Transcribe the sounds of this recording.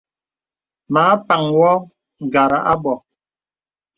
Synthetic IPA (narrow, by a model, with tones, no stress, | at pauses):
maː˨˦pa˨ŋwɔ˦ | ŋ˨ɡa˨ɾa˨ʔa˦bɔ˨